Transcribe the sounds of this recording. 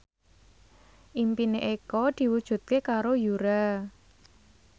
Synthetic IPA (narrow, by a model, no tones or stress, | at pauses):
ʔimpineʔekɔd̪̥i̤wud̥ʒ̥ṳt̪̚kekaɾojuɾa